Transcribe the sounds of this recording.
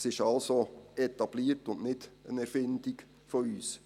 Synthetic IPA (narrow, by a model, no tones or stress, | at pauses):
sɪʃɑlsoɛt̪ɑb̥liːrtʊnʔnɪd̥ənɛɾfɪndiɡ | fɔyːs